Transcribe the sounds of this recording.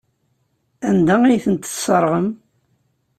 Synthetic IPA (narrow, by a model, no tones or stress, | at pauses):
ænd̪æijθənt̪ə̥sˤəɾˤʁəm